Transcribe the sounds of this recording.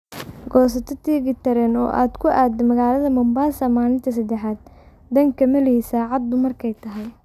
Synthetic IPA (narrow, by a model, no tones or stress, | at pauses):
ɡɔːsɐt̪ʰɔt̪ʰiːɣɪt̪ʰɐɾɛːnɔ̰ːʔa̰ːd̪kʰʊʔaːd̪ɛmɐɣaːlɐðɐmɐmbaːsɐmaːlɪnt̪ʰɐs̬ɐd̪ɛħaːd̪̚ | d̪ɐŋkʰɐmɐlɪhisaːʕɑd̪̚ːʊmɐrkʰɛjt̪ʰɐɦɛj